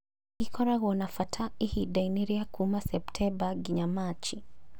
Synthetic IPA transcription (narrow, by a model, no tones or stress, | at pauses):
ikʰɔɾaɦuɔnafatʰaihidajniɾiakumasɛptʰɛbaɡiɲamat͡ʃi